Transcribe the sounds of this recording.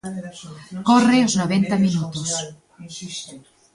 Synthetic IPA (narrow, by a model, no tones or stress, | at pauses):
koreoznoβent̪aminut̪us